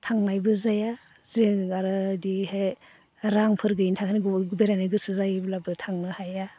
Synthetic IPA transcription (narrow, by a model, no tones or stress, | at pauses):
tʰaŋmajbɯzaja | zeaɾɯdihe | ɾaŋpʰɯɾɡɯintʰaŋkʰaniɡɡubeɾanɯɡɯsɯzajblabɯtʰaŋnɯhaja